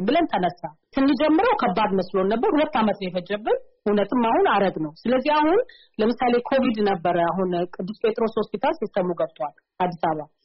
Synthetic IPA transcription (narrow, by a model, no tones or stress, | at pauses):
bɨlənt̪ʰənəsːat̪ʰɨnːid͡ʒɛmːɨɾəwkʰəbːad̪məslo̞nːəbːəɾhulət̪ːamət̪jɛfəd͡ʒːəbːɨnhunət̪ʰɨmːahunaɾəɡnəwsɨləzːiahun | ləmɨsale̞kʰo̞vid̪nəbːəɾəaɦunkʼɨd̪ːɨspʼe̞t̪ʼɾo̞shospit̪ʰalsist̪ːəmːuɡəβt̪ʼwal | ʔad̪ːisaβa